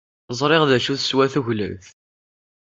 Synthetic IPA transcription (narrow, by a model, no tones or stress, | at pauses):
zˤɾˤeʁðæʃuθswæθuʝlə̰mθ